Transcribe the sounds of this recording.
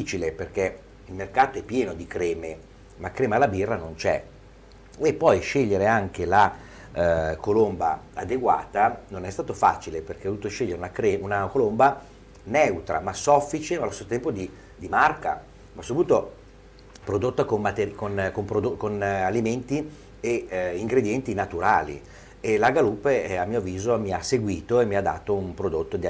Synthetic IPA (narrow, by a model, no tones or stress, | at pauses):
iːt͡ʃileperk̟e | ilmerkaːt̪oɛpːjɛːnod̪ikɾɛːme | makːɾɛːmealːabirːanont͡ʃɛ̰ | epːɔjʃeʎːeɾeaŋk̟ela | kolombaad̪eɡwa̰ːt̪anonɛst̪aːt̪ofa̰t͡ʃileperkevd̪uːt̪oʃelʎːeɾeunakɾɛunakolomba | nɛut̪ɾa̰masɔfːit͡ʃemalost̪esot̪ɛmpod̪i | d̪imarka̰ | masupuːt̪o | pɾod̪ot̪ːakomːat̪eɾkonkompɾod̪okonaliment̪i | eiŋɡɾed̪jɛnt̪inat̪uɾaːlḭ | elaɡaluːpeamːiːoviːzomiaseɡwiːt̪oemːiad̪ːa̰ːt̪oumpɾod̪ot̪ːod̪i